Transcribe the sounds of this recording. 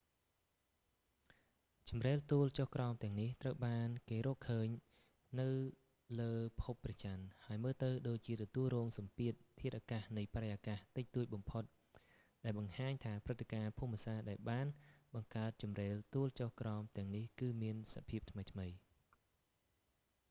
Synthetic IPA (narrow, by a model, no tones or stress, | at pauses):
t͡ɕɑmreːlt̪uəlt͡ɕohkrɑɔmt̪ɛ̆əŋniht̪rəwɓaːnkeːɾɔːʔkʰəːɲ | nɨw | ləːpʰupːrɑt͡ɕanhaəjməːlt̪ɨwɗoːc̚t͡ɕiət̪ɔt̪uəlrɔːŋsɑmpiət̪̚ʰːiət̪ʔakahnɨjpaɾejʔakaht̪ɨc̚t̪uəc̚ɓɑmpʰot̪̚ | ɗaɛlɓɑŋhaːɲt̪ʰaːprɨt̪ʰːekaːpʰumːĭəsaːɗaɛlɓaːnɓɑŋkaət̪̚t͡ɕɑmreːlt̪uəlt͡ɕohkrɑɔmt̪ɛ̆əŋnihkɨːmiənsa̰pʰiəp̚t̪ʰməjt̪ʰməj